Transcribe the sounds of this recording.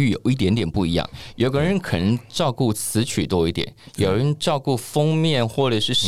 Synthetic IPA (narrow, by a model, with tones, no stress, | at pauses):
y˥˩jo˨˩ʊi˥˩t̪̬jɛ˧˥nt̪jɛ˨˩npu˥˩i˧˥jɑ̰˥˩ŋjʔo˨˧˩ʊkə˧˥ɻə˧˥nkʰɤ˨˩nə˧˥ŋʈ͡ʂɑ˥˧ʊku˥˩t͡sʰɹ̩˧˥t͡ɕʰy̰˨˩t̪wɔ˥i˥˩t̪jɛ̰˨˦njo˨˩ɻə˧˦nʈ͡ʂɑ˥˧ʊku˥˩fɤ˥ŋmjɛ˥˨˩nxwɔ˥˩ʈ͡ʂə˨˩ʂɻ̩˥˩